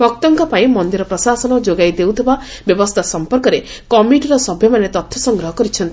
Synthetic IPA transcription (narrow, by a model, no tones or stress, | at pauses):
bɔk̚t̪ɔŋkɔpaĩmɔnd̪iɾɔpɾɔsasɔnɔd͡ʒoɡajd̪ewt̪ʰiba | bjɔbɔst̪ʰasɔmpɔɾkɔɾe | kɔmiʈiɾɔsɔbʱjɔmanet̪ɔt̪ʰːɔsɔŋɡɾɔɦɔkɔɾit͡ʃʰɔnt̪i